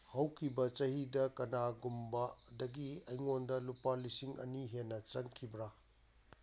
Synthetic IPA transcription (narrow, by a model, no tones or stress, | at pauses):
hɐwkʰibɐt͡ʃɐhidɐkɐnaɡumbadɐɡiɐjŋondɐlupalisiŋɐ̰niɦenːɐt͡ʃɐŋkʰibɾa